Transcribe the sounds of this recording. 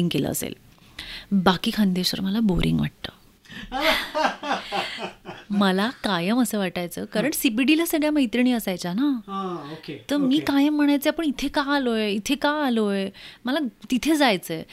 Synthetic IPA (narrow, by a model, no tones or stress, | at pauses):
iŋɡkelə̰ə̰sḛl | bakiːkʰand̪eɕʋə̰ɾməlaboɾʔḭŋɡʋa̰ʈ̚t̪ə̰ː | məlakajəməsəʋaʈajt͡səːkaɾəɳsipiɖilasəɡɭjaməjt̪ɾiɳ̃iːəsajt͡ɕanaɦaoket̪əɾmiːkajəm̤ːəɽ̃ajt͡seapəɳit̪ʰekaalojeit̪ʰekaaloeməlat̪it̪ʰed͡zajt͡səj